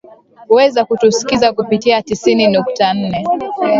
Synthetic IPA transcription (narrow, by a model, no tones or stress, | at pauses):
huwɛzakutusi̥kizakupitiatisininuktan̩nɛ